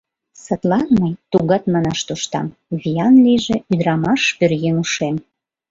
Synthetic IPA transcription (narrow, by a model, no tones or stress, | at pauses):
sət̪lɑnməjt̪uɣɑt̪mɑnɑʃt̪uʃt̪ɑ̰m | viɑnliʒĕyd̪ɾɑmɑʃpørɣenuʃem